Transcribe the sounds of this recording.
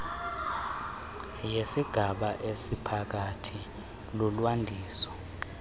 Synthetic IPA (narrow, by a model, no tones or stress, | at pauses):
jesiɡ̥ʱaɓaʔesipʰak̬atʰi | lulwandʱiːsɔ̥